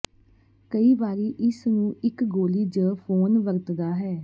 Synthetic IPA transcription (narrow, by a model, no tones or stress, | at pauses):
kəiːbaːɾiːʔɪsnũːɪkɡoːliːd͡ʒəːpʰoːnʋəɾt̪d̪aːɦɛː